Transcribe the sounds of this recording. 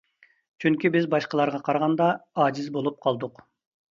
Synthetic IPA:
t͡ʃʰyŋkʲibɪzbɑʃqɑlˠɑɾʁɑqʰɑɾɑʁɑnd̪ɑɑd͡ʒizbolˠup̚qʰɑlˠd̪uq

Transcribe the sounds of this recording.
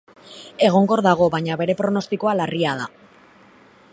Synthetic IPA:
e̞ɣ̞o̞ŋɡo̞ɾðaɣ̞o̞βaɲaβe̞ɾe̞pɾo̞no̞st̪iko̞alariað̞a

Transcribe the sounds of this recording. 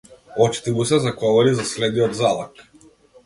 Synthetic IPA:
ɔt͡ʃi̥t̪imusɛzaɡɔvɔɾizaslɛd̪nijɔd̪zalˠak

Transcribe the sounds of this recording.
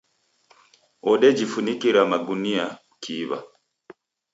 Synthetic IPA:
ɔɗɛd͡ʒifunikiɾamaɡunia | kʰiβa̰

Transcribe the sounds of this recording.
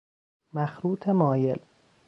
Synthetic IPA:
mæxɾuːt̪ʰemɒːje̞l

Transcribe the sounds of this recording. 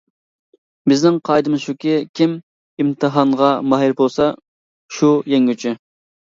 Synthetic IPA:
bɪznɪŋqʰɑjd̪ɨmɨʃukʲɪkʲʰim | imt̪ʰɨɦɑɴʁɑmɑɦiɾbolˠsɑ | ʃujɛŋʲyt͡ʃʰɪ

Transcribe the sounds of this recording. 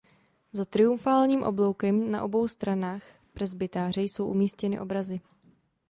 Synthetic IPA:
zat̪ɾɪumfaːlɲiːmʔo̞blo̞wkɛmna̰ʔo̞bo̞wst̪ɾanaːx | prɛzbɪt̪aːr̝ɛjso̞wʔumiːscɛnɪ̰ʔo̞bɾazɪ

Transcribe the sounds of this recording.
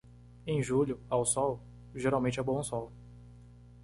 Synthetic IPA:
ẽj̃ʒuʎʊawsɔw | ʒeɾawmẽnt͡ʃɪabõũsɔw

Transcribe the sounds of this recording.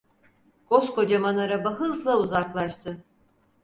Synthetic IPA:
ɡ̥o̞sko̞d͡ʒamanaɾabaɦɯzlˠauzaklˠaʃt̪ʰɯ

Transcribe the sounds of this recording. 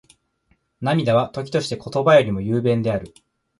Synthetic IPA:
namʲid̪aβ̞at̪o̞kʲi̥t̪o̞ɕi̥t̪e̞ko̞t̪o̞bajo̞ɾʲimo̞jɯ̟ːbẽ̞nd̪e̞aɾɯ̟

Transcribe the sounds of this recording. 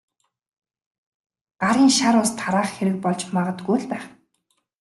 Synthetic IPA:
ɢ̥aɾiːŋʃaɾʊːst̪ʰaɾaːχxeɾɘ̆k̚pɔɮt͡ɕmaʁə̆t̪ɡujɮpæːχ

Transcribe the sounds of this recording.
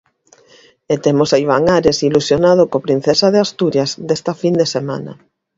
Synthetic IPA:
et̪emosaiβ̞aŋaɾesilusjonað̞okopɾin̟θesaðeast̪uɾjazd̪est̪afind̪esema̰nɐ̰

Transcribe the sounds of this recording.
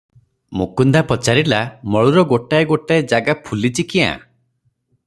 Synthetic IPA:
mukund̪ʱapɔt͡ʃaɾilamɔɭuɾɔɡoʈaeɡoʈaed͡ʒaɡapʰulit͡ʃikiã̰

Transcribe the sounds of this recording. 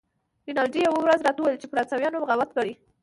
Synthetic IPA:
linɑlɖijawawɾazɾɑt̪auwajlt͡ʃepəɾat͡sawjɑnoɣawat̪̚kaɽi

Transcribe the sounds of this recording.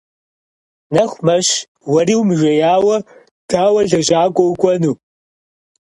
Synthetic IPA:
nɐχʷmɐʃ | wɐɾiːwmɨʒʷɐjaːwɐ | d̥aːwɐɮɐʒaːkʷʼɔwkʷʼɔnuː

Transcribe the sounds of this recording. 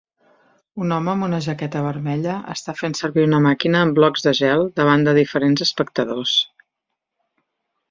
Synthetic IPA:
unɔməːmunəʒəkɛt̪əβəɾmɛʎəə̰st̪afensəɾβiunəmakinəːmblɔɡzðəʒɛlˠd̪əβ̞and̪əðifəɾenzəspək̚t̪əðos

